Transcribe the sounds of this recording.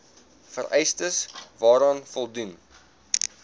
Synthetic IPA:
fəɾʔɛjstəsvɑːɾɑːnfɔlˠdun

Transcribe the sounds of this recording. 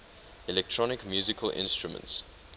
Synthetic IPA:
ilɛk̚tʰɹɔnɪkmjuːzɪkʰəlʔɪ̰̃nstɹumə̰̃nts

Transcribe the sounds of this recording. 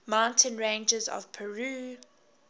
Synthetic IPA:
mãʊ̃ntʰə̃nɹẽɪ̃nd͡ʒəzɔ̰v̥pʰɛɹuː

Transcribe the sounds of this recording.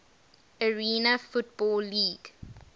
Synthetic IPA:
əɹiːnəfut̚bɔlːiːɡ̥

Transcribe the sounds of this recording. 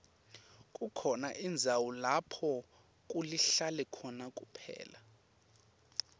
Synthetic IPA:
kʼukʰɔnaʔind͡zʱawulapʰɔ | kʼuliɬalɛkʰɔnakʼupʰɛ̰ːla

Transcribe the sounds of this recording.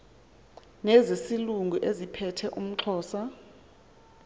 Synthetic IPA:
nɛzisiluŋɡʱuʔezipʰɛtʰɛʔum̩ǁʰɔːsa

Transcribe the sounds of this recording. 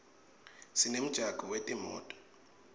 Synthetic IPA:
sinem̩d̥ʒ̥ʱaɡ̥ʱɔwetʼimɔ̰ːtʼɔ̥

